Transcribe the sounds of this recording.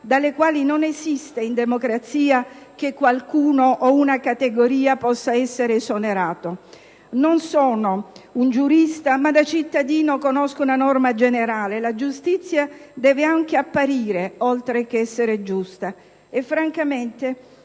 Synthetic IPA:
d̪alːekwaːlinonesist̪eind̪emokɾat̪siːak̟ekːwalkuːnoʔɔunakat̪eɡoɾiːapɔsːaɛsːeɾesoneɾaːt̪o | nonsɔːnound͡ʒuɾist̪amad̪at͡ʃit̪ːad̪iːnokonɔskounanɔrmad͡ʒeneɾaːlelad͡ʒust̪it̪sːjad̪ɛːveaŋk̟eapːaɾiːɾeɔlt̪ɾekeɛsːeɾed͡ʒust̪a | efːɾaŋkament̪e

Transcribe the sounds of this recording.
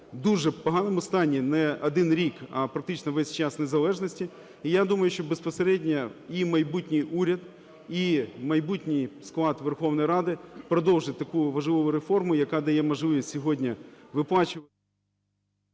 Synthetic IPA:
d̪uʒɛpɔɦɑnɔmʊst̪ɑnʲːinɛɐd̪ɪnɾʲikɐpɾɐk̚t̪ɪt͡ʃnɔʋɛsʲt͡ʃɑsnezɐlˠɛʒnɔsʲtʲi | ijad̪umɐjʊʃt͡ʃɔbespɔseɾɛdʲnʲɐimɐjbutʲnʲɪjʔuɾʲɐd̪ | imɐjbutʲnʲɪjsklˠɑd̪ʋerxɔwnɔjɾɑd̪ɪpɾɔd̪ɔwʒɪt̚ʲt̪ɐkuʋɐʒlˠɪʋɔʋʊɾefɔrmʊjɐkɑd̪ɐjɛmɐʒlˠɪjɛsʲɔɦɔdʲnʲɐʋɪplˠɑt͡ʃɪɐ

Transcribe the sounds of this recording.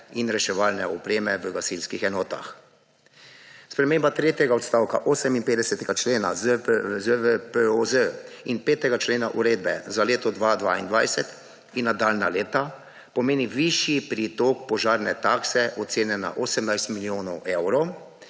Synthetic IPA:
inɾɛʃɛʋaːlnɛɔpɾeːmɛʋəɡasilskixɛnɔːt̪a̰x | spɾɛmeːmbat̪ɾeːt̪jɛɡaɔt̪st̪aːwka̰ʔoːsɛminpeːd̪ɛsɛt̪ɛɡat͡ʃleːna̰zəəpəozəinpeːt̪ɛɡat͡ʃleːnaʔuɾeːd̪bɛzaleːt̪ɔd̪ʋad̪ʋa̰ːḭnd̪ʋajsɛt̪ | inːad̪aːlnaleːt̪a | pɔmeːniʋiʃipɾit̪ɔkpɔʒaːɾnɛt̪aːksɛʔɔt̪seːnɛna̰ʔoːsɛmnajst̪miljoːnɔwʔewɾɔ

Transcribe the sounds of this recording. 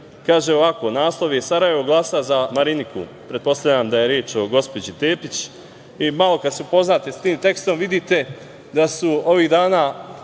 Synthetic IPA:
kaːʒeo̞ʋako̞naːslˠo̞ʋiesaɾaje̞ʋo̞ɡlˠaːsazamaɾinikṵ | pɾe̞t̪̚po̞st̪avʲʎʲamd̪aje̞ɾjeːt͡ʃo̞ɡo̞spo̞d͡ʑit̪e̞ːpit͡ɕ | imalo̞kad̪seupo̞znaːt̪e̞st̪iːmt̪e̞kst̪o̞mʋid̪it̪e̞ | d̪asuo̞ʋiːd̪aːnaː

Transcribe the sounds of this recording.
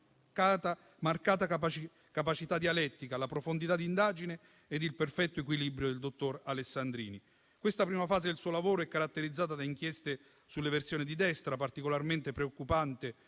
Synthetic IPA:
at̪a | markaːt̪aap | kapat͡ʃit̪ad̪ialɛt̪ːikalapɾofond̪it̪ad̪ind̪aːd͡ʒineː | d̪ilperfɛt̪ːoekwilibɾjod̪eld̪ot̪ːoralesːand̪ɾḭːni | kwest̪apɾiːmafaːzed̪elsuːolavoːɾoɛkːaɾat̪ːeɾid̪zːaːt̪ad̪aiŋk̟jɛst̪e | sulːeversjoːnid̪id̪ɛst̪ɾapart̪ikolarment̪epɾeokːupant̪e

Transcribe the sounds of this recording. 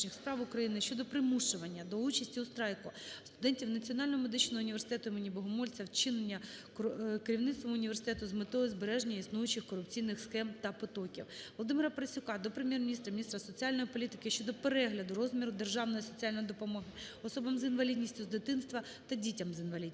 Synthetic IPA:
nʲixspɾɑwʊkɾɐjinɪʃt͡ʃɔd̪ɔpɾɪmuʃt͡ʃʊʋɐnʲːɐd̪ɔut͡ʃɐsʲtʲiust̪ɾɑjkʊst̪ʊd̪ɛnʲtʲiwnɐt͡sʲiɔnɑlʲnɔɦɔmed̪ɪt͡ʃnɔɦɔʊnʲiʋe̞rsɪt̪ɛt̪ʊimenʲibɔɦʊmɔlʲt͡sʲɐwt͡ʃɪnenʲːɐ | keɾʲiwnɪt̪st̪ʋɐmʊnʲiʋʲersɪ̥t̪ɛt̪ʊzmɪt̪ɔɦjɔzbeɾɛʒnʲɐisnujʊt͡ʃɪxkɔɾʊpt͡sʲijnɪxsxɛmt̪ɐpɔt̪ɔkʲḭwʋɔlˠɔd̪ɪmɪɾɐpɾɐsʲʊkɑd̪ɔpɾemjɛrmʲinʲist̪ɾɐmʲinʲist̪ɾɐsɔt͡sʲiɑlʲnɔjipɔlʲit̪ɪ̥kɪʃt͡ʃɔd̪ɔpeɾɛɦlʲɐd̪ʊɾɔzmʲiɾʊd̪erʒɑwnɔjisɔt͡sʲiɑlʲnɔjid̪ɔpɔmɔɦɪɔsɔbɐmzɪnʋɐlʲid̪ʲnʲisʲtʲʊzd̪ɪt̪ɪnst̪ʋɐ | t̪ɐdʲitʲɐmzɪnʋɐlʲid̪ʲ

